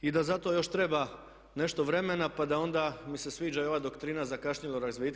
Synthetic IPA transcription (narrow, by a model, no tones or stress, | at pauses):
id̪azat̪o̞jo̞ʃt̪ɾe̞ba | ne̞ʃt̪o̞ʋɾe̞me̞napad̪ao̞nd̪amise̞sʋiːd͡ʒao̞ʋad̪o̞kt̪ɾiːnazakaʃɲilˠoɾazʋit̪